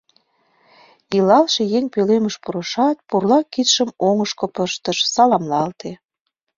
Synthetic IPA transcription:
ilɑlʃejeŋpøleməʃpuɾɤ̆ʃɑt̪̚purlɑkit̪ʃəmoŋəʃkopəʃt̪əʃsɑlɑmlɑlt̪e

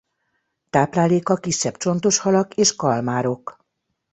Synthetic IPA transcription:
t̪aːplaːleːkɒkiʃːɛbt͡ʃo̞n̪t̪oʃhɒlɒkeːʃkɒlmaːɾo̞k

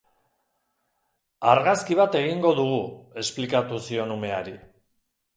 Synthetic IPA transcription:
aɾɣaskiβ̞at̪e̞ɣiŋɡo̞ðuɣue̞splikat̪usio̞nume̞aɾi

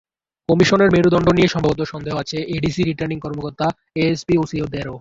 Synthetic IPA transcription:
kɔmiʃoneɾmeɾud̪ɔɳɖonieʃɔmbʱabot̪oʃɔnd̪eɦoat͡ɕʰeʔeɖisiɾiʈaɾniŋkɔɾmokoɾt̪a | eespiosiod̪eɾo

